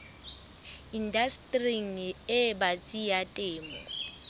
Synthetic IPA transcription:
indastʼriŋ̩ɪbat͡sʼijatʼeːmɔ̰

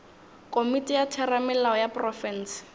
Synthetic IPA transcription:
kʼomitʼijatʰɛramɛlaɔjaprɔfɛns

